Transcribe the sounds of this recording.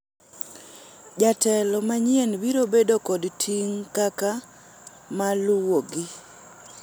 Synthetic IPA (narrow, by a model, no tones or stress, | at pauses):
d͡ʒatɛlɔmaɲjenbiɾobedokɔdtʰiŋkaka | maluwoɡi